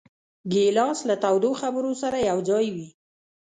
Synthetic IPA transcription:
ɡelɑslat̪awd̪oxabəɾosaɾajawd͡zɑjwi

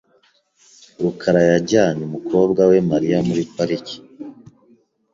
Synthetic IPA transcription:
ɾukʰaɾajaɟaːɲimukʰo̞bɡawe̞maɾijamuɾipaɾici̥

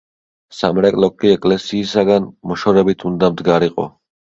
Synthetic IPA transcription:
samɾɛkʼlɔkʼːiɛkʼlɛsiːsaɡanmɔʃɔɾɛbit̪ʰund̪amd̪ɡaɾiqʼɔ̰

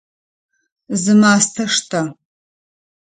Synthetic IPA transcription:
zɨmaːstʰɐʂtʰɐ

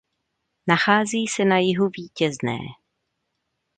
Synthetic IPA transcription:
naxaːziːsɛnajɪɦuviːcɛznɛ̰ː

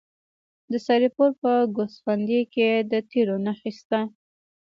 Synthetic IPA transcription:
d̪əsɑɾipoɾpəɡosfand̪eked̪ət̪ʰiɾonaxist̪a

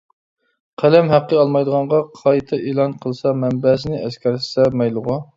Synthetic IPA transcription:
qʰælɛmɦæqːəɑlˠmɑjd̪əʁɑɴʁɑqʰɑjt̪ʰɛʔeːlˠɑnqʰəlˠsɑmɛmbɛsɪnɪʔɛskʲʰɛɾssɛmɛjlˠʊʁɑ

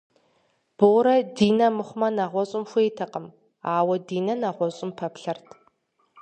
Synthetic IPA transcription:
b̥oːɾɐdiːnɐmɨχʷʊmɐnaʁʷɔɕʼɪmxʷeːtʰɐqəm | aːwɐdiːnɐnaʁʷɔɕʼɪmpʰɐpɬɐrtʰ

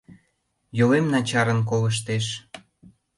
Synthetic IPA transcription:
jolemnɑt͡ɕɑɾənk̬oləʃ̬t̪eʃ

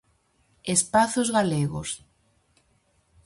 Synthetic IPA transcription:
espaθozɣaleɣo̰s

